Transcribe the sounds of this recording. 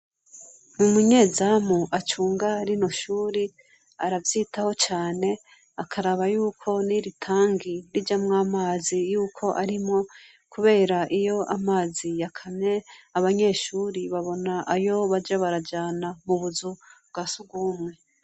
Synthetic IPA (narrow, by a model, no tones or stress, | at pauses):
mumuɲezamuʔat͡ʃuːŋɡaɾino̞ʃuːɾi | aɾavjiːtaho̞t͡ʃaːne̞ | akʰaɾaβajuːkʰo̞niɾitʰaːŋɡiɾid͡ʒamŋaːmaːzijuːkʰo̞ʔaɾimŋo̞ | kuβe̞ːɾaʔijo̞ʔamaːzijakʰamɲe̞aβaɲe̞ːʃuːɾiβaβo̞naʔajo̞βad͡ʒaβaɾad͡ʒaːnamuβuzub̚ɡasubɡuːmŋe̞